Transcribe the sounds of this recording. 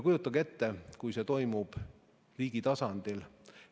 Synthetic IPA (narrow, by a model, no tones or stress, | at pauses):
kujut̪ːˑɑɡe̞t̪ːekujse̞t̪o̞jmub̥ | riːɡ̥it̪ɑsɑnd̪̥il